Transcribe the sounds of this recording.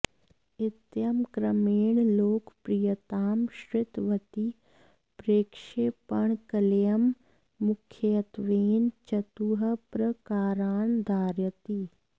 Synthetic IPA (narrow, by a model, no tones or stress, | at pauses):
ɪt̪jɐmkɾɐmeːɳloːkpɾijɐt̪aːmʃɾɪt̪ʋɐt̪i | pɾeːkʃeːpɐɳkɐljɐmː | ʊkʰːjjɐt̪ʋeːnt͡ʃɐt̪uːɦɐpɾɐkaːɾaːnd̪ʱaːɾjət̪i